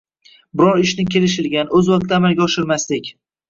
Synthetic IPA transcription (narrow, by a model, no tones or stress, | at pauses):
bɪɾɒɾɪʃnɪkʲʰe̞lɪʃɪlɡʲanɵzwaq̚t̪ʰːamalˠɡʲaɒʃɪɾmaslɪkʲ